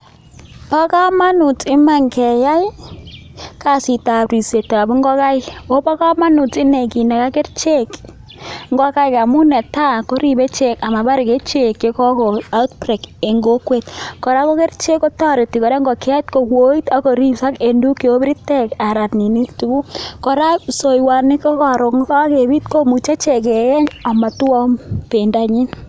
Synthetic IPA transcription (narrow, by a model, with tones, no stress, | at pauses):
pa˦ka˦ma˦nu˨tɪ˦ma˨ŋkɛ˨ja˦j | ka˨si˨ta˨pɾi˨se˨ta˨bŋɡɔ˦ka˦jɪ˦wo˦pa˦ka˦ma˦nu˨tɪ˦ne˨ki˨na˨ka˦ke˦rt͡ʃe˦k | ŋɡɔ˦ka˦jka˨mu˦nɛ˨ta˦ko˦ɾi˨be˦t͡ʃe˦˨ka˨ma˨ba˦ɾi˨ke˦t͡ʃe˦kːe˦kɔ˦ko˨a˦u˦t̚pre˨ke˨ŋɡo˦kwe˦t̚ko˨ɾa˦ko˦ke˦rt͡ʃe˦ko˦tɔ˦ɾe˨ti˨ko˨ɾe˦ŋɡɔ˨ka˦tko˨kwo˦i˦ta˦ko˨ɾi˦sa˦ke˨ndu˦ki˨o˦bɾi˦te˦ka˨ɾa˨tni˨ni˦tu˨ku˦ko˨ɾa˦so˨jwa˨ni˦kɔ˦ka˨ɾo˨kŋ˦ka˦ke˨bi˦tko˦mu˨t͡ʃa˦t͡ʃe˨k̬e˨jɛ˦ɲa˨ma˨tu˦ɔ˦mpe˨nda˨ɲi˦n